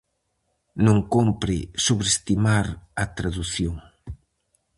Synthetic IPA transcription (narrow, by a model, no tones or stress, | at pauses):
nõŋkompɾɪsoβɾest̪imaɾɐt̪ɾaðuθjoŋ